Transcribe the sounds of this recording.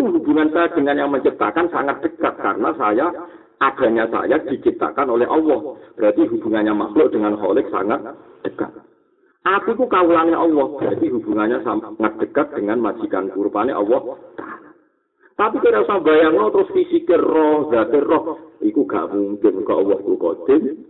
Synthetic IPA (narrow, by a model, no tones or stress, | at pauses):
ik̪uɦubuŋansajad̥əŋanjaŋməɲt͡ʃip̚t̪a̰kansaŋat̪̚d̪̥ə̤kat̪̚ka̰rənasaja | ad̥a̤ɲasa̰jad̪̥i̤t͡ʃip̚t̪a̰kanolɛɦʔɔwɔhb̥əɾat̪iɦub̥ṳŋanɲama̰xlʊʔd̥əŋanɦɔ̰lɪk̚sa̰ŋat̪̚d̪̥əka̰t̪̚ | ʔapikukawulanɪɦɔwɔhb̥əɾat̪iɦubuŋanɲasaŋat̪̚d̥ə̤kat̪̚d̥əŋanmad̥d͡ʒ̥i̤ka̰nkuɾupaneʔɔ̰wɔht̪a | t̪apikeausabajarnɔt̪ɾʊsfisikerɔhd̪̥a̤t̪ɪrɔhikuɡ̥a̰muŋkɪnukaɔwɔhɡokɔ̰d̪̥ɪn